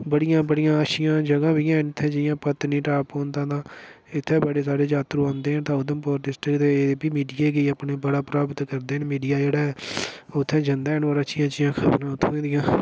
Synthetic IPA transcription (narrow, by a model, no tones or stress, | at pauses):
bəɽijãːbəɽɪjãːəʃɪjãːd͡ʒəɡãːbiːãːɪnt̪ʰːɛ̃ːd͡ʒɪjãːpət̪nĩːʈaːpõːnd̪ãːd̪ãː | ɪt̪ʰːẽːbəɽeːs̬aːɽeːd͡ʒaːt̪ɾũːãːnd̪eːnt̪ãːʊd̪əmpɔːɾɖɪsʈɾɪkt̪eːbiːmiːɖijeːɡəiːapneːbəɽaːpɾaːbət̪kəɾd̪eːnmiːɖijaːd͡ʒeːɽaː | ʊt̪ʰːɛ̃ːd͡ʒənd̪aːnaːɾãːt͡ʃɪjãːt͡ʃɪjãːkʰəbnãːʊt̪ʰːẽːd̪ɪjãː